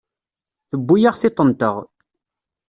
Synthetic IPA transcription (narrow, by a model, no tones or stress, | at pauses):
θəbːujaʁθɪt̪ˤːənt̪əʁ